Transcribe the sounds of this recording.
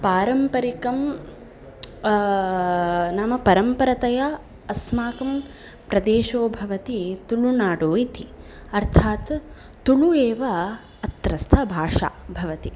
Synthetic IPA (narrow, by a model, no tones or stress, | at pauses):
paːɾɐmpɐɾikɐm | nɐmɐpɐɾɐmpɐɾɐt̪ɐjɐ | ɐsmaːkɐm | pɾɐd̪eːʃoːbʱɐʋɐt̪it̪uɭunaːɽoːjit̪i | ɐɾt̪ʰaːt̪ː | uɭueːʋɐ | ɐt̪ɾɐst̪ʰɐbʱaːʂa̰bʱɐʋɐt̪i